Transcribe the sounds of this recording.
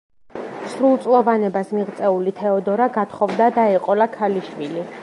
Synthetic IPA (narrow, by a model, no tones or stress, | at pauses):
sɾulˠt̪sʼlˠɔvanɛbasmiʁt̪sʼɛulit̪ʰɛɔd̪ɔɾaɡat̪χɔvd̪ad̪aɛqʼɔlakʰaliʃwili